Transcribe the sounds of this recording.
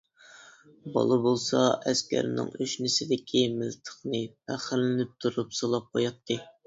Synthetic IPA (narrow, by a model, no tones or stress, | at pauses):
bɑ̰lˠɨbolˠsɑɛskʲæ̰ɾnɪ̰ŋyʃnɪsɪd̪ɪkʲʰimɪlt̪ʰə̥χnɨpʰæχɪɾlɪnɪp̚t̪ʰuɾupsolˠɑp̚qʰojɑt̪ʰːɨ